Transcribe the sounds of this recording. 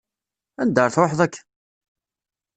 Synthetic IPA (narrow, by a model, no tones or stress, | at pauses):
ænd̪əɾˤθɾoħðˤækː